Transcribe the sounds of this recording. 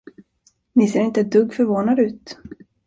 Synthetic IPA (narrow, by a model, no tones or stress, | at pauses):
nɪseːɾɪnt̪əd̪ɵɡːfœɾvoːnad̪əʉ̟ːt̪